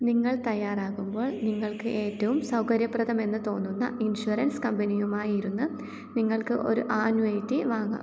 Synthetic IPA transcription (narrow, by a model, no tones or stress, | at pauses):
niŋːɐɭt̪ɐjːaːraːɣumbo̞ːɭniŋːɐɭkɨʔe̞ːtːɐʋumsɐwkɐɾjɐprɐðɐme̞nːɨt̪o̞ːnːunːɐ̰ʔinɕuɐɾɐnskɐmbɐnijumaːjiɾunːɨ | niŋːɐɭkɨʔo̞̰ɾṵʔaːnjuɐjtːɨʋaːŋːɐ̰